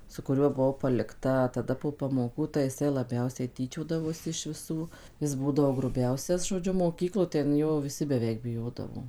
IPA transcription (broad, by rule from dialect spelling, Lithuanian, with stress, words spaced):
sʊ kʊˈrʲuɔ bʊˈʋɐʊ pɐlʲɪkˈtɐ tɐˈdɐ poː pɐmoːˈkuː tɐɪ jɪˈsɐɪ lˠɐˈbʲɛʊsʲɛɪ tʲiːˈt͡ʃʲoːdɐʋoːsʲɪ ɪʃ ʋʲɪˈsuː ˈjɪs ˈbuːdɐʋoː ɡrʊˈbʲɛʊsʲɛs ʒoːˈd͡ʒʲʊ moːˈkʲiːklˠoː tʲɛn ˈjoː ʋʲɪˈsʲɪ bʲɛˈʋʲɛɪk bʲɪˈjoːdɐʋoː